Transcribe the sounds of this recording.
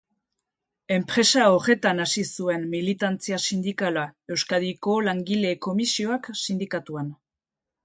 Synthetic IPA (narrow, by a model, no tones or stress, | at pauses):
e̞mpɾe̞saore̞t̪anasisue̞nmilit̪ant͡siasind̪ikalae̞wskaðiko̞laŋɡile̞ko̞misio̞aksind̪ikat̪uan